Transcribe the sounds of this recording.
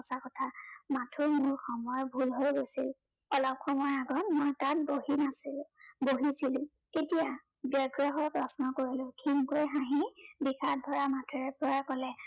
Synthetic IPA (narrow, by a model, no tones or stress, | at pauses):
ɔsakɔtʰamatʰumʊɹxɔmɔjɔbʱulɦojɡojsilɔlɔp̚xɔmɔɹaɡɔtmɔjtatbohinasboɦisilʊ̃ | ketija | bjɔɡɹaɦɔɹpɹɔsnɔkoɹilʊ̃kʰinkojɦãɦĩbixʰadʱɔɹamatʰuɹɛpɔɹakɔlɛ